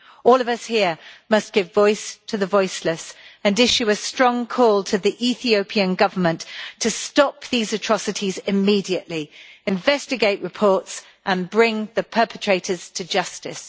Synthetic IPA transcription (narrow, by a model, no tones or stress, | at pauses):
ɔːlˠʌvʌshɪəmʌst̚ɡ̥ɪvɔɪstʰəðəvɔɪsləsə̃nɪʃʉəstɹ̥ɒ̃ŋkʰɔːlˠtʰəðiʔiθiəʊpʰiɨ̃nɡʌvə˞mə̃nttʰəstɒp̚ðizətʰɹ̥ɒsɨtʰizɪmiːdiɨʔliɨ̃ɱvɛstɨɡeɪʔɹɨpʰɔɹts | ʔə̃nbɹɪ̃ŋðəpʰɜˑpʰətʰɹ̥eɪtəz̥tʰɨd͡ʒʌstɪ̰s